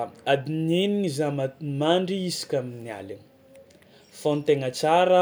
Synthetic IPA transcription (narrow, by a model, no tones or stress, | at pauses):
ad̪ineniŋizamamaɳɖ͡ʐiisi̥kʲaminia̰li | font̪eŋat͡saɾə